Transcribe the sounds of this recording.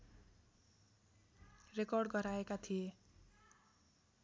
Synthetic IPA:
rekʌrɖɡʌɾaekat̪ʰije

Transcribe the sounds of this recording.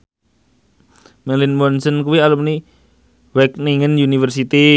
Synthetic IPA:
mɛlinmɔnsənkuwialəmni | wɛk̚niŋənjunifərsit̪i

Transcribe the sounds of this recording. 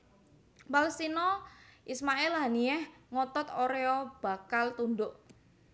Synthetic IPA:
palɛst̪inɔʔismaʔɪlɦaniɛhŋɔt̪ɔt̪oɾeɔb̥a̤kalt̪und̪ʊʔ

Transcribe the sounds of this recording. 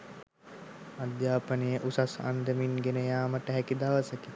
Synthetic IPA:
ad̪jaːpənejəʔusasa̰nd̪əminɡenəjaːməʈəɦɛkid̪aʋəsəki

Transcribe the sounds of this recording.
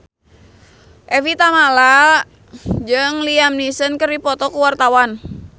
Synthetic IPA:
ʔɛvit̪amala | d͡ʒɨŋliamnisənkəripɔt̪ɔkuwart̪awan

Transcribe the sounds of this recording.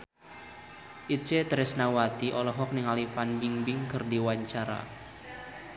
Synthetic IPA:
ʔit͡ʃet̪ɾɛsnawat̪iʔɔlɔɦɔk̚nɪŋalifanbiŋbɪŋkɨrdiwaɲt͡ʃaɾa̰

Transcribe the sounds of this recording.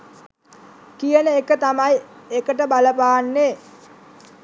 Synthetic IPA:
kijənəekət̪amajekəʈəbaləpaːanːe

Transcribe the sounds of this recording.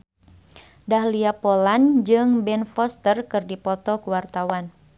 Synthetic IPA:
dahliapoland͡ʒɨŋbɛnfɔst̪ərkɨrdipɔt̪ɔkuwart̪awan

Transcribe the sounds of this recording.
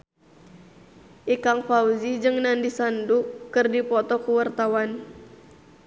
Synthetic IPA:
ʔikaŋfauzid͡ʒɨŋnandisandukɨrdipɔt̪ɔkuwart̪awan

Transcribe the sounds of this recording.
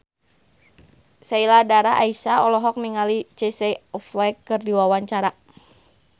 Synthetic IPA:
sailadaɾaʔaisaɔlɔɦɔk̚miŋalit͡ʃisɛɔflɛkːɨrdiwawaɲt͡ʃaɾa

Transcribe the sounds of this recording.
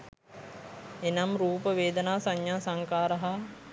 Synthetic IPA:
enamɾuːpəʋeːd̪ənaːsaɲːaːsaŋkaːɾəɦa

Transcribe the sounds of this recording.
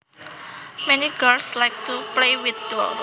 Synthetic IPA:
mɛniɡəlslajk̚tuplewɪt̪̚dɔl

